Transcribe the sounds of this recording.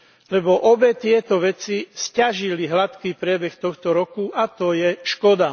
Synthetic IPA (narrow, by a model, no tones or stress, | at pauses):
lɛbɔʔɔbɛt̪ɪɛt̪ɔʋɛt͡siscaʒiliɦlat̪kiːpɾɪɛbɛxt̪ɔxt̪ɔɾɔkuʔat̪ɔjɛʃkɔd̪a